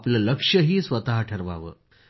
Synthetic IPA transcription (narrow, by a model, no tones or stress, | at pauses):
plələkʂəɦiːsʋət̪aɦʈʰəɾʋa̰ʋə̰ː